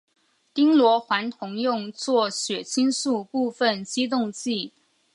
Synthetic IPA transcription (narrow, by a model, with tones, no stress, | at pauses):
t̪i˥ŋlwɔ˧˥xwa˧˥nt̪ʰʊ˧˥ŋjʊ˥˧ŋt͡swɔ˥˩ɕɥɛ˨˩t͡ɕʰi˥nsu˥˧pu˥˧fə˥˩nt͡ɕi˥t̪̬ʊ˥˧ŋt͡ɕi˥˩